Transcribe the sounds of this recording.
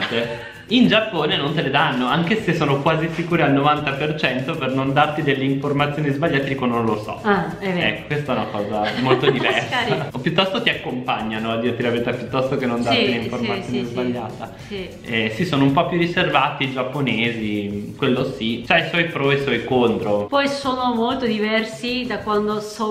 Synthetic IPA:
t̪e | ind͡ʒapːoːnenont̪eled̪anːoaŋkesesːoːnokwaːzisikuːɾealnovant̪apert͡ʃɛnt̪opernond̪art̪id̪elːeiɱformat̪sːjoːnizbaʎːaːt̪ed̪ikand̪onolosɔ̰ | vɛ̰kːo̥kwest̪aɛunakɔːzamolt̪od̪ivɛrsaopjut̪ːɔst̪ot̪iakːompaɲːanoad̪iːɾet̪ilavet̪apjut̪ːɔst̪okenːõnd̪aileiɱforat̪sːjonizbaʎːaːt̪a | si | ɛsisoːnoumpɔpjuriservat̪id͡ʒapːoneːzikwelːosit͡ʃajswɔjpɾɔiswɔjkont̪ɾopɔjsoːnomolt̪od̪ivɛrsid̪akwand̪osɔ

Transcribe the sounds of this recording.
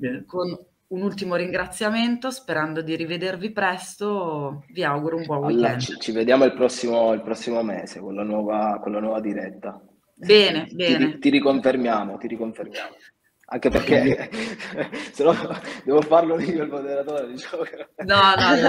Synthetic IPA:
kon | unult̪imoɾiŋɡɾat̪sːjament̪ospeɾand̪od̪iɾived̪ervipɾɛst̪oviawɡuɾoumbɔulɛnt͡ʃived̪jaːmoilpɾɔsːimoilpɾɔsːimomɛːsekolːanwɔːvakolːanwɔːvad̪iɾɛt̪ːa | bɛːnebɛːnet̪iɾikoɱfermjaːmot̪iɾikoɱfermjaːmo | aŋkeperke | senːɔd̪ɛːvofarloniolmod̪eɾat̪oːɾed̪it͡ʃaanɔnɔn

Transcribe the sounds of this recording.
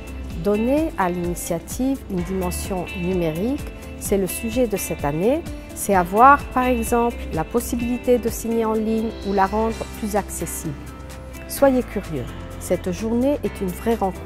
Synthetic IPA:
d̪ɔnealinisjat̪ʰivynd̪imɑ̃sjɔ̃nymeʁik | sɛləsyʒɛd̪əsɛt̪ane | sɛavwaʁpaʁɛɡzɑ̃pllapɔsibilit̪ed̪əsiɲeɑ̃liɲulaʁɑ̃d̪ʁplyzaksesibl | swajekʲyʁjø̰ | sɛt̪ʒuʁneʔɛt̪ʰynvʁɛʁɑ̃k

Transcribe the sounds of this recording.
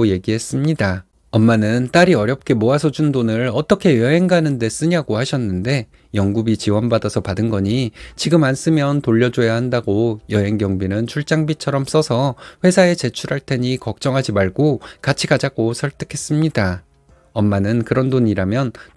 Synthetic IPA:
je̞ɡiɦe̞s͈ɯmɲida | ʌmːanɯnt͈aɾiʌɾjʌp̚k͈e̞moasʰʌd͡ʑundonɯɭʌt͈ʌkʰe̞jʌɦe̞ŋɡanɯnde̞s͈ɯɲaɡohaɕʰʌnːɯnde̞ | jʌŋɡubit͡ɕiwʌnbadasʰʌpadɯnɡʌɲit͡ɕiɡɯmans͈ɯmjʌntoʎːʌd͡ʑojahandaɡojʌɦe̞ŋɡjʌŋbinɯnt͡ɕʰuɭt͡ɕ͈aŋbit͡ɕʰʌɾʌms͈ʌsʰʌɸwe̞sʰae̞t͡ɕe̞t͡ɕʰuɾɦaɭt͈ʰe̞ɲikʌk̚t͡ɕ͈ʌŋɦad͡ʑimaɭɡokat͡ɕʰiɡad͡ʑaɡosʰʌɭt͈ʰɯ̥kʰe̞s͈ɯmɲida | ʌmːanɯnkɯɾʌndoɲiɾamjʌn

